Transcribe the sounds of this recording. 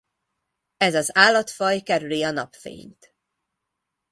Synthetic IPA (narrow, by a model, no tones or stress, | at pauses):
ɛzɒzaːlːɒt̪fɒjkɛɾyliɒnɒpfḛːɲt̪